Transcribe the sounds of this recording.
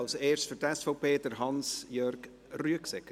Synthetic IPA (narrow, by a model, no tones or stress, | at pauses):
lseːɹstfətɛsfɔʊpʰeːdəɾɦɑnsjœrɡ | ryəksɛk